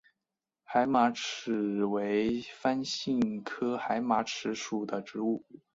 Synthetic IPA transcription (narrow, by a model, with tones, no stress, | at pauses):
xa˧˥ɪma˧˥ʈ͡ʂ̩ʰ˨˩we˧˥ɪfa˥nɕi˥˩ŋkʰɤ˥xa˧˥ɪma˧˥ʈ͡ʂʰɻ̩˧˥ʂu˨˩d̪ə˦ʈ͡ʂɻ̩˧˥u˥˩